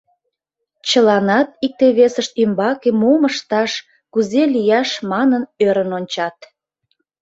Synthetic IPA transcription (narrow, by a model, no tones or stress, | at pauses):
t͡ɕəlɑnɑt̪̚ik̚t̪eβesəʃt̪ymbɑkemuməʃt̪ɑʃ | kuzelijɑʃmɑnənøɾənonʲt͡ɕɑt̪